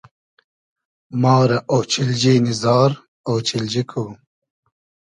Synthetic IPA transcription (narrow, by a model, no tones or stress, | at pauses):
mɑːɾɐʔoːt͡ɕʰild͡ʑiːnizɑːɾ | oːt͡ɕʰild͡ʑikʰu